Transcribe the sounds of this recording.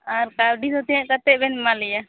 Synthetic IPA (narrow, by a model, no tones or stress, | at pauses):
aɾkawɖid̪ɔt̪ɛjãʔkət̪ɛʔbɛnmalɛja